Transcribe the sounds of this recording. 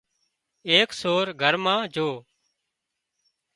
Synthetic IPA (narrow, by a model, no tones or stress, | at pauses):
eːksoːɾɡʱəɾmãːd͡ʒʱoː